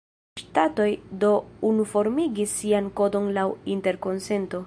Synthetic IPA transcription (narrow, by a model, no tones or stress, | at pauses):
ʃtato̞jdo̞unufo̞ɾmiɡisːianko̞do̞nlawinte̞ɾko̞nse̞nto̞